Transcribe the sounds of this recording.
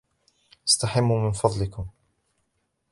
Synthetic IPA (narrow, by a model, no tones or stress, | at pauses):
ʔast̪aħamːumɪnfɑðˤlɪkʊm